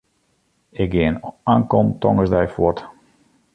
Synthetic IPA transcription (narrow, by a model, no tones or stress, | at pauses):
ɪk̚ɡɪənaŋkɔmtɔ̰ŋəzdɛjfwɔt